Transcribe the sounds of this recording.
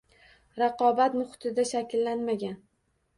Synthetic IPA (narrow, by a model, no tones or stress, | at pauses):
ɾɑqɒbat̪mʊχʊ̥t̪ʰɪd̪aʃakʲlːanmaɡʲan